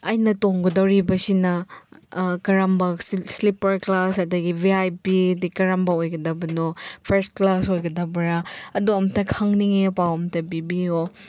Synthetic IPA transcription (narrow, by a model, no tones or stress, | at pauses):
ɐjnɐtoŋɡodɐwɾibɐsinɐ | kɐɾambɐslipɐɾklasɐdɐɡibiajpidikɐɾambɐojɡɐdɐbɐnopʰeɾstklasojɡɐdɐbɐɾaɐduɐmtʰɐkʰaŋniŋepawɐmtʰɐbibio